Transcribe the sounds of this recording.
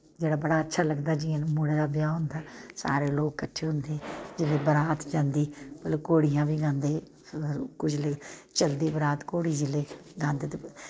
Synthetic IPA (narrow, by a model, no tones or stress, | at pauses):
d͡ʒeːɽaːbəɽaːətːʃʰaːləɡd̪aːd͡ʒiːẽnmuɽeːd̪aːbɪjaːɦʊ̃nd̪aːsa̰ːɾeːloːkːəʈʰːeːɦʊ̃nd̪eːd͡ʒɪleːbəɾaːt̪d͡ʒãːnd̪iːpəloːkoːɽijãːbiːɡãːnd̪eː | kʊd͡ʒlet͡ʃəld̪iːbəɾaːt̪koːɽiːd͡ʒɪleːɡãːnd̪eːt̪e